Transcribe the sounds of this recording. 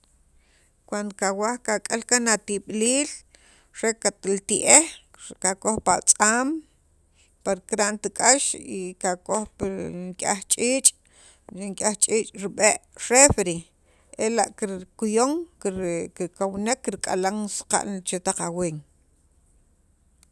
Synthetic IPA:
kwand̪okawahkakʼalkanat̪iɓliːl | ɾekat̪lt̪iʔehkakoxpat͡sʼaːm | paɾkɾaʔnt̪ikʼaʃikakoxpŋkʼaχt͡ʃʼiːt͡ʃʼ | iŋkʼaht͡ʃʼiːt͡ʃʼɾiɓeʔʃefɾi | elaʔkiɾkujoŋkkikawnekːiɾkʼa̰laŋsqa̰ʔlt͡ʃet̪aqaweːŋ

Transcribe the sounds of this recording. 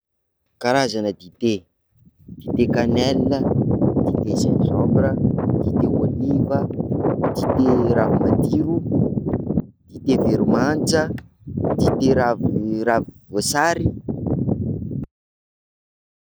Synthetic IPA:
kaɾazanəd̪id̪e | d̪̥id̪ekanɛlinəd̪̥id̪esanzɔmbɾəd̪̥id̪ewolivəd̪̥it̪eɾavumad̪iɾu | d̪̥it̪eveɾumant͡sə | d̪̥it̪eɾavravivosaɾi

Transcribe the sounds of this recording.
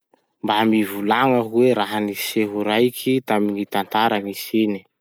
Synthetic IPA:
mbamivulaŋəkweɾaɦaniseɦuɾajkʰit̪aminit̪ant̪aɾanisini̥

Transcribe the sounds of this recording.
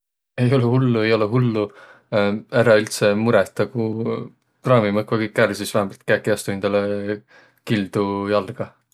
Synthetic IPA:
e̞jo̞lehulːue̞jo̞lɛɦulːu | æɾɑylt̪semuɾɛt̪ːˑɑku | prɑːmimɤkvɑɡikːærsisvæhemɑlt̪̚kækːiɑst̪uend̪̥ɑle | kild̪̥ujɑlːɡ̥ɑ

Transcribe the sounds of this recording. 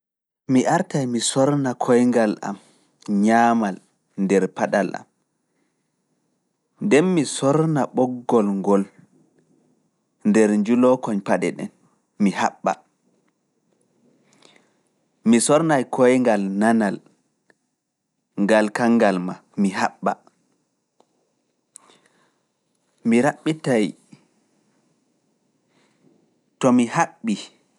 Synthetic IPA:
miʔaɾtajmisɔɾnakʰɔjŋɡalʔa̰m | ɲaːmal | ndɛɾpaɗalʔa̰m | ndɛnmisɔɾnaɓɔɡːɔlŋɡɔl | ndɛɾɲd͡ʒulɔkɔɲpaɗɛ̰ɗɛ̰n | mihaɓːa̰ | misɔɾnajkʰɔjŋɡalnanal | ŋɡalkaŋɡalmamiɦaɓːa̰ | miɾaɓːitaj | tɔmihaɓːi

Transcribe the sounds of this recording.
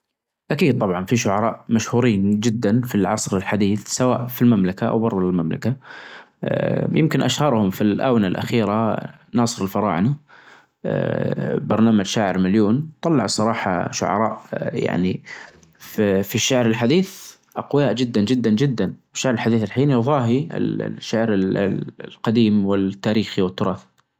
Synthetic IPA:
ʔakiːd̪̚t̪ˤɑbʕɑnfiʃʊʕɑɾˤɑːʔmaʃhuːɾiːnd͡ʒɪd̪ːanfilʕɑsˤɾɪlħad̪iːθsawa̰ːʔfilmamlakaʔa̰wbɑɾˤðˤɪlmamla̰ka | jɪmkɪnʔaʃhɑɾˤhʊmfilʔa̰ːwnalʔa̰xiːɾa | nɑːsˤɨɾɪlfɑɾˤɑ̰ːʕna̰ | bɑɾˤnaːmad͡ʒʃaːʕɪɾmaljuːnt̪ˤɑlːɑʕsˤɑɾˤɑːħɑ̰ʃʊ̰ʕɑ̰ɾˤɑːʔja̰ʕni | fiʃːaʕɾɪlħad̪iːθ | ʔqʊjaːʔd͡ʒɪd̪ːand͡ʒɪd̪ːand͡ʒɪd̪ːanwɪʃːaʕɾɪlħad̪iːθɪlħiːnðˤɑːɦiɪ̰l̰ʃːaʕɾɪllqɑd̪iːmwɪlt̪ːaːɾiːxiwɪt̪ːʊɾˤɑːθ

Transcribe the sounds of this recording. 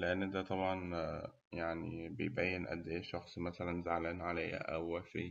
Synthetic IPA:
leʔanːd̪æt̪ˤɑbʕɑn | jaʕnibḛjbæjːenʔæ̰d̪ːæːʃɑxsˤmæsælænzaʕlænʕalæjhæ̰ʔæwæʃḛː

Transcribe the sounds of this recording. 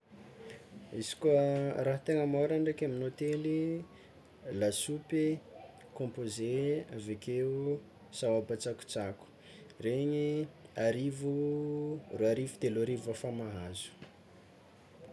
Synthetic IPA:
isi̥kuəraɦat̪eŋəmaɾaɳɖ͡ʐakaminot̪eli | lasupe | kõmpozeavekeu | sawabat͡saku̥t͡saku̥ | reɲiaɾivu | ruaɾivud̪eloɾivafamaɦazu̥

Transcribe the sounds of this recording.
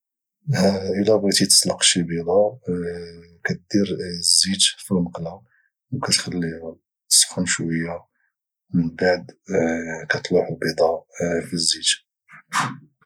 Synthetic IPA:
hʔəlæbit̪it̪ə̥sˤlɑqʃibid̪ˤɑ | kæt̪̚d̪iɾzːit̪filnəqla | wkæt̪xəlːihʊm | t̪sxənʃwəjːa | mənbaʕd̪ | kæt̪ˤluħubid̪ˤɑfizːid͡ʒ̪

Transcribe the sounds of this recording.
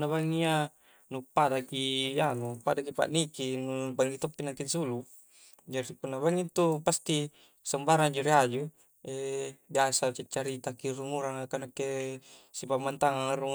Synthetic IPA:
nːaβaŋia | nupadakijanupadak̬ipa̰ʔnikinubaŋit̪opːinaŋk̪insulu | d͡ʒaɾipunːabaŋit̪ːupast̪i | sambaɾand͡ʒuɾiad͡ʒu | ebiasat͡ʃit͡ʃːaɾit̪akiɾumuɾaŋakanakːesipamːant̪aŋaŋaru

